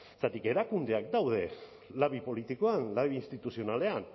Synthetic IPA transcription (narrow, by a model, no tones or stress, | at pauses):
sat̪ike̞ɾakund̪eak̚d̪awðe̞ | laβipo̞lit̪ikoanlaβiːnst̪it̪usio̞nale̞an